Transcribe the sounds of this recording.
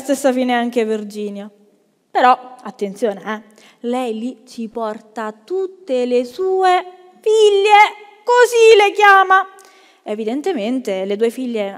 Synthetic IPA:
st̪esːafiːneaŋkevird͡ʒiːnjo | peɾɔat̪ːent̪sjoːneɛ | lɛjlit͡ʃipɔrt̪at̪ːut̪ːelesuːe | fiʎːe | kozilekjaːma | evid̪ent̪ement̪elet̪uːefiʎːe

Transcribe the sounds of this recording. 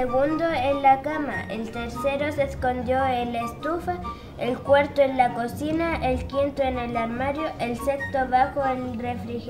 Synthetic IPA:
eɣund̪oenlakama̰ḛlt̪eɾseɾo̞sesko̞nd̪jo̞elest̪ufa | elkwaɾt̪oenlakosinaʔelkint̪oene̞laɾmaɾjo̞ʔelse̞kst̪oβaxoelrefɾix

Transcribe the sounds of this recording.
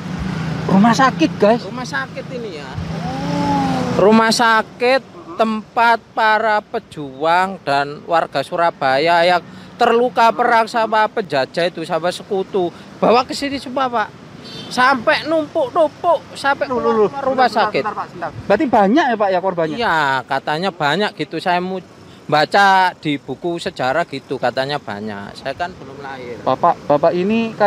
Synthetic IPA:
rumasakɪt̪̚ɡ̥asumasakɪt̪inija | rumahsakɪt̪ːəmpat̪̚paɾapəd̥ʒ̥uaŋd̥anwarɡ̥a̤suɾab̥ajajak̚t̪ərlukapəɾaksabapəd͡ʒḁd͡ʒ̥a̤it̪usabasəkut̪u | b̥a̤wakəsinisumapaʔ | sampɛʔnumpʊʔnumpʊʔsampɛʔaɾumasakɪtbat̪ibaɲakjapaʔjakwarbajakat̪aɲab̥aɲakɡ̥it̪usajamu | mbat͡ʃad̪̥i̤b̥ṳkusəd͡ʒaɾaɡ̥it̪ukat̪aɲab̥a̰ɲa̰ʔsajakanb̥əlʊmlaɪb̥apaʔb̥apaʔinika

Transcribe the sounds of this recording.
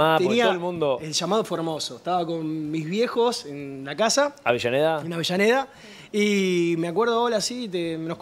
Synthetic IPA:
at̪eniaoolmũnd̪oelʃamað̞ofoɾmo̞soeht̪aβako̞nmizβje̞xo̞senlakasaa̰βeʃaneðaenaβeʃaneða | imeakweɾðoaolasit̪emenohk

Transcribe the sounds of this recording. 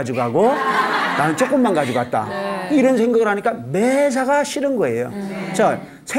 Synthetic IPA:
d͡ʑiɡoɦaɡonaɯnt͡ɕ͈ok͈ɯmːanɡad͡ʑiɡoat̚t͈a̰iɾʌnsʰe̞ŋɡaɡɯɾhaɲik͈ames̬ʰaɣaɕʰiɾɯnɡʌe̞̰jot͡ɕa | sʰe

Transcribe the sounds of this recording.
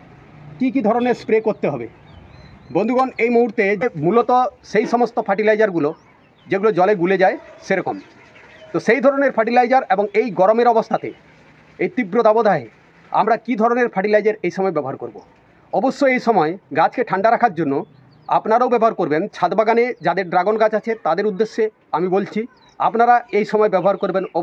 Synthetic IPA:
kik̬id̪ʱɔɾoneɾspɾekoɾt̪eɦɔbḛ | bond̪ʱuɡɔnejmoɦuɾt̪ed͡ʑemulot̪oʃejʃɔmost̪opʰaʈilajd͡ʑaɾɡulo | d͡ʑeɡulod͡ʑɔleɡuled͡ʑaeʃeɾɔkom | t̪oʃejd̪ʱɔɾoneɾfʰaʈilajd͡ʑaɾeboŋejɡɔɾomeɾɔbost̪ʰat̪ḛ | ejt̪ibɾod̪abod̪ʱae | a̰mɾakid̪ʱɔɾoneɾfʰaʈilajd͡ʑeɾejʃɔmɔebɛboɦaɾkoɾbo | ɔboʃːoejʃɔmɔeɡat͡ɕkeʈʰaɳɖaɾakʰaɾd͡ʑonːo | a̰pnaɾaobɛboɦaɾkoɾbent͡ɕʰad̪baɡaned͡ʑad̪eɾɖɾaɡonɡat͡ɕat͡ɕʰet̪ad̪eɾud̪ːeʃːe | amibolt͡ɕʰi | a̰pnaɾaejʃɔmɔebɛboɦaɾkoɾbenɔ

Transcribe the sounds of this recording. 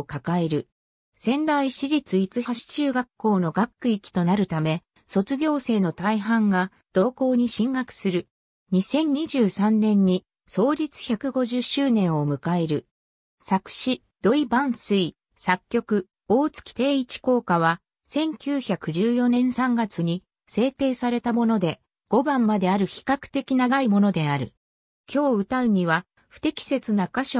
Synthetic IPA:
kakae̞ɾɯ̟ | sẽ̞nd̪aiɕiɾʲit͡sɨit͡sɨhaɕi̥t͡ɕɨːɡakːo̞ːno̞ɡakːɯ̟ikʲi̥t̪o̞naɾɯ̟t̪ame̞ | so̞t͡sɨɡʲo̞ːse̞ːno̞t̪aiɦãŋɡa | d̪̥o̞ːko̞ːɲ̟iɕĩŋɡakɯ̟̥sɨɾɯ̟ | ɲ̟isẽ̞ɲ̟ɲːiʑɨːsãnnẽ̞ɲ̟ːi | so̞ːɾʲit͡sɨ̥çʲakɯ̟ɡo̞ʑɨɕɨːnẽ̞ɰ̃o̞mɯ̟kae̞ɾɯ̟ | sakɯ̟̥ɕi | d̪̥o̞ibãɰ̃sɨi | sakʲːo̞kɯ̟ | o̞ːt͡sɨ̥kʲi̥t̪e̞ːit͡ɕi̥ko̞ːkaβ̞a | sẽ̞ŋkʲɨːçakɯ̟ʑɨːjo̞nẽ̞ɰ̃sãŋɡat͡sɨɲ̟i | se̞ːt̪e̞ːsaɾe̞t̪amo̞no̞d̪e̞ | ɡ̥o̞bãmːad̪e̞aɾɯ̟çi̥kakɯ̟̥t̪e̞kʲinaɡaimo̞no̞d̪e̞aɾɯ̟ | kʲo̞ːɯ̟t̪aɯ̟ɲ̟iβa | ɸɯ̟̥t̪e̞kʲi̥se̞t͡sɨnakaɕo

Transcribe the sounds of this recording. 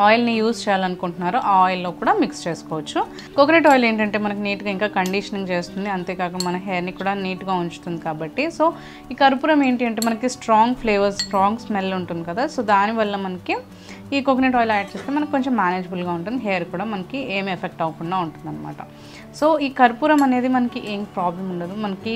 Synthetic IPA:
ɔːjlnijuːst͡ʃɛːjaːlɐnukuɳʈunːaːɾuʔaːjlːo̞ːkuːɽaːmikst͡ʃe̞ːsu̥kɔːʋɐt͡ʃːu | kokneʈɔːjleːɳʈɐɳʈeːmɐnɐkiniːʈuɡaːiŋkaːkɐɳɖiʂɐniŋɡt͡ʃeːst̪und̪iɐnt̪eːkaːkuɳɖɐmɐnɐɦeːɐɾnikuːɽaːniːʈuɡaːuɲt͡ʃu̥t̪und̪ikaːbɐʈːiso̞ː | iːkɐɾpuːɾɐme̞ːɳʈiɐɳʈeːmɐnɐkisʈɾaːŋɡpʰleːʋɐɾsʈɾaːŋɡsmɛlːuɳʈund̪ikɐd̪aːsoːd̪aːniʋɐlːɐmɐnɐki | iːkokniʈ̬ɔːjljaːʈ̚t͡ʃeːst̪eːmɐnɐkikoɲt͡ʃemːaːneːd͡ʒɐbulɡaːuɳʈund̪iɦeːɐɾkuːɽaːmɐnɐkieːmiepʰek̚ʈɐʋɐkuɳːaːuɳʈund̪ɐnːɐma̰ːʈɐ | so̞ːiːkɐɾpuːɾɐmɐne̞ːd̪imɐnɐkiʔeːŋpɾaːblɐmuɳɖɐd̪umɐnɐki

